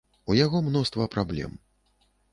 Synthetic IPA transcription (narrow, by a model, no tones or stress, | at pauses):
ujaɣɔmnɔst̪vɐpɾablʲɛ̰m